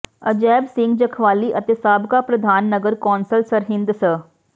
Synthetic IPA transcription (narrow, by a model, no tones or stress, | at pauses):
əd͡ʒɛːbsɪ̃ŋɡd͡ʒɐkʰʋaːliʔɐt̪esaːbkapɾɐd̪ʱaːnːəɡəɾkɔːnsəlsɐɾɦɪ̃nd̪sə